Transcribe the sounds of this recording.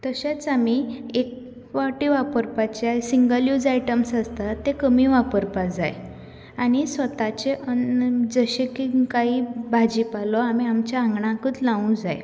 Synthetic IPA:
t̪əɕat͡samiek̚ | ʋaʈiʋapəɾpat͡ɕasiŋɡəljud͡zaiʈəmsast̪at̪ːekəmiʋapəɾpad͡zaj | añisʋət̪at͡ɕeʔəd͡zəɕekikaibʱad͡ʑipalɔamiamt͡ɕaãŋɡɳãkət͡s̪lãũd͡zaj

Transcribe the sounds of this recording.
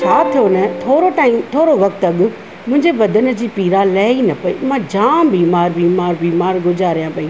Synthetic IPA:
t͡ɕʰaːt̪ʰijonɐt̪ʰoːɾoʈaːimt̪ʰoːɾoʋɐkt̪ɐɠʊ̆ | mʊ̃ɦɪ̃ɲd͡ʑeʋɐd̪ʱənə̆d͡ʑiːpiːɾalɐːinɐpɐḭːmãd͡ʑãːbiːmaːɾbiːmaːɾbiːmaːɾɡʊd͡ʑaːɾijãpɐiː

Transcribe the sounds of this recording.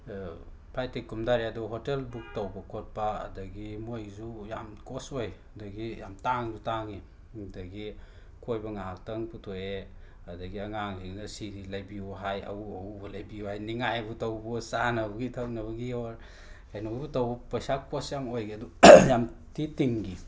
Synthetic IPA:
pʰajtikumdaɾiadɔɦotelbuk̚tɐwbɐkʰot̚pa̰ːdɐɡimojzuja̰mkosoj | dɐɡijamtaŋzutaŋi | dɐɡi | kojbɐŋaɦaltɐŋputʰoe | ɐdɐɡiɐŋaŋziŋnɐsiɾilajbiɦajɐ̰uɐubɐlajbihajniŋajbutɐwbusanɐwɡitʰawnɐbɐɡiawɐɾ | kʰajnojbutawbɐpɐjsakosjamojɡiɐdujamtitiŋɡi

